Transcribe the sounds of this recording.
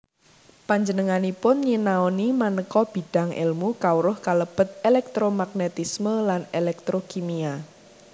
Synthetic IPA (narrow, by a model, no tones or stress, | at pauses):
paɲd͡ʒənəŋanipʊnɲinaonimanəkɔb̥i̤ɖ̥a̤ŋʔɪ̰lmukauɾʊhkaləb̥ə̤t̪̚elɛk̚t̪ɾomaɡ̚net̪isməlanelɛk̚t̪ɾokimia